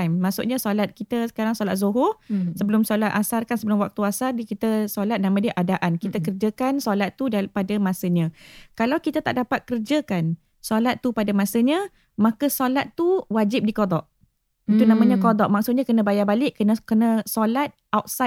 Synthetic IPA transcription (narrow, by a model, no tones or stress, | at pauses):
mːaksuʔɲasolat̪̚kit̪əsə̥kaɾaŋsolat̪̚zoɦʊsəbəlʊmsolat̪̚ʔasarkansəbəlʊmwak̚t̪uasardikit̪əsolat̪̚nãmãdəʔadaʔankit̪əkərd͡ʒakansolat̪ːudapadəmãsəɲãkalawkit̪ət̪a̰ʔdapat̪̚kərd͡ʒakan | solat̪ːupadəmãsəɲə̃ | mãkəsolat̪ːuwad͡ʒɪp̚dikodɔʔ | it̪unãmãɲãkodɔʔ̚maksuʔ̚ɲãkənə̃bajabalɪʔkənəkənə̃solat̪̚ʔawt̪̚sa